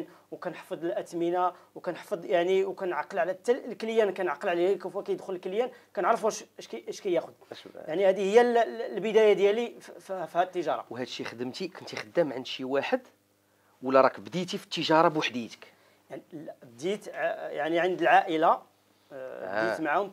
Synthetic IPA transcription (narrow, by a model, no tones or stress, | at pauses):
nwkænħfəd̪ˤəlʔæt̪mənawkænħfəd̪ˤjaʕniwkænʕɑqːəlʕlæt̪ːællkəljænkænʕɑqːəlʕlahikæfækæjəd̪xʊləlkljænkænəʕɾˤəfuæʃæʃkʔæʃkæjæxʊd̪̚jaʕnihæd̪ihəjːællbəd̪æjad̪jæliffihæd̪ət̪ːəʒɑɾˤɑ̰whæd̪ʃixəd̪əmt̪ikʊnt̪ixəd̪ːəmʕənʃiwaħəd̪ | wəlːæɾˤɑkbd̪it̪ifi̥t̪ːəʒɑɾˤɑbwaħd̪it̪ə̥k | jaʕnib̚d̪it̪jaʕniʕənd̪əlʕaʔəla | d̪it̪maʕhʊm